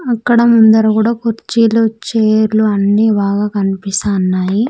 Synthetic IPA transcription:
ɐkːɐɽɐmund̪ɐɾɐkuːɽaːkuɾt͡ʃiːlot͡ʃːeːɾluɐnːiʋaːɡaːkɐnipist̪aːnːaːji

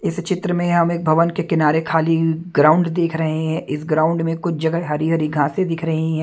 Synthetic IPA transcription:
ɪst͡ʃɪt̪ɾəmẽɦɐmeːk̚bʱɐʋənkekɪnaːɾekʰaːliɡɾãːʊ̃ɳɖd̪eːkʰɾɐɦeɦɛ̃ːʔɪsɡɾaːʊ̃ɳɖmẽkʊt͡ʃʰd͡ʒɐɡəɦɦɐɾiɦɐɾiɡʱãːsẽd̪ɪkʰɾɐɦĩɦɛ̃ː

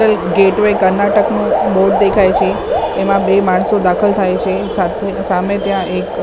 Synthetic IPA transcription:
əlɡeʈʋekəɾnaʈəknũboɾɖ̚d̪ekʰajt͡ʃʰeːmãbemaɳ̃sod̪akʰəlt̪ʰajt͡ʃʰe | sat̪ʰesamet̪jãʔek

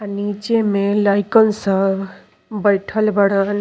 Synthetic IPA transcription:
anit͡ʃemẽlajkɔnsa | bəjʈʰəlbəɽan

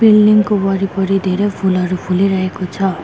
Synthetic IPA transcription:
bilɖiŋkobʌɾipʌɾid̪ʱeɾepʰulɦʌɾupʰuliɾʌɦekot͡sʰʌ

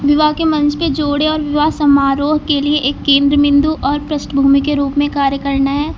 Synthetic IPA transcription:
ʋɪʋaɦkemɐ̃nt͡ʃʰped͡ʒoːɽeɔːɾʋɪʋasɐmaːɾoːɦkelieʔeːkːẽːnd̪ɾəmɪ̃nd̪uʔɔːɾpɾɐsʈbʱuːmikeɾuːpmẽkaːɾjəkɐɾnaɦɛː

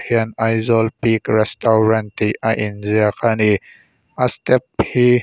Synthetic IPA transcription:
hiənajzɔlpikrɛstɔwɾɐntiʔaʔinziakʰani | ʔastɛp̚hi

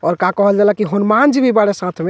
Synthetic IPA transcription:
ɔːɾkakəɦəld͡ʒalakiɦonmand͡ʒbʱibaɽesãt̪ʰme

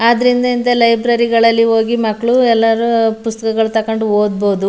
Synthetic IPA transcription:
aːd̪ɐɾind̪ɐind̪ɐlɐjbɾɐɾiɡɐɭɐlːio̞ːɡimɐkːɭuɛlːɐɾupust̪ɐ̥kɐɡɐɭut̪ɐkoɳɖuoːd̪̚boud̪u

